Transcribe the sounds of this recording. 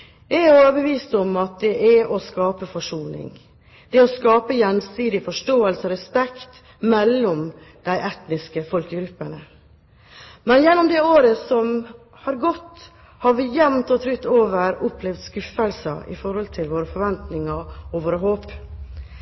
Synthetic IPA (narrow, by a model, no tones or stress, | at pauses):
ɪoːʋəɾbəʋiːst̪ɔmɑt̪̚d̪ɛʔæʔɔskɑːpəfɔʂuːnɪ̰ŋ | d̪̥ɛɔskɑːpəjɛnsiːd̪ɪfɔʂʈoːəlsəɔɾɛspɛkt̪ | mɛlːɔm | d̪̥æɪʔɛt̪nɪskəfɔlkəɡɾʉpːəɳə | mɛnjɛnːɔmd̪ɛoːɾəsɔm | hɑɾɡɔt̪ː | hɑɾʋɪjɛmt̪ɔt̪ʰɾʏt̪ːoːʋəɾʊpʰːlɛʋd̪skʉfəlsə̰ɪ̰fɔɾhɔlt̪ʰɪlʋoːɾəfɔɾʋɛnt̪nɪŋɑɔʋoːɾəɦoːp